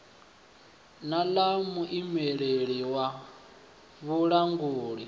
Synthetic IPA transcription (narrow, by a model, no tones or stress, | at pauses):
nalamuʔimeɺeɺiwa | βuɺaŋɡuːɺi